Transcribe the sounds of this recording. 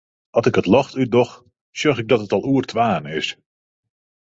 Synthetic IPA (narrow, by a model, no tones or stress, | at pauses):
ɑsɪkətlɑxtydɔx | sjøχɪɡ̚dɔtətɔlˠuːərtʰʋaːnɪs